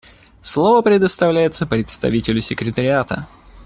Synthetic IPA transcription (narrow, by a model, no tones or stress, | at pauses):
slˠovəpɾʲɪd̪əst̪ɐvlʲæjɪt̪səpɾʲɪt̪st̪ɐ̰vʲitʲɪlʲʊsʲɪkɾʲɪt̪əɾʲɪat̪ə̰